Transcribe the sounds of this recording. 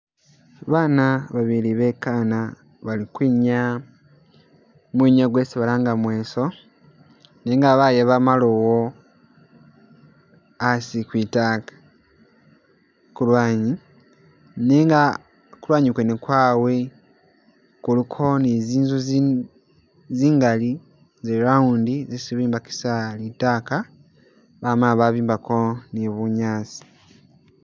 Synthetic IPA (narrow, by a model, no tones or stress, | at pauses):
βaːnaβaβiliβekaːna | βalikwiːɲa | mweːɲaɡweːsiβalaːŋɡamwe̞ːso̞ | neːŋɡaβajeβamalowo | asikwiːtakḁ | kulwaːɲi | neŋɡa | kulwaːɲikwenekwaːwe̞ | kulikʰo̞neziːnzuz | ziːŋɡali | zeɾaundizisiβiːmbaki̥salitaːka | βamalaβaβiːmbakʰo̞neβuɲaːt͡si̥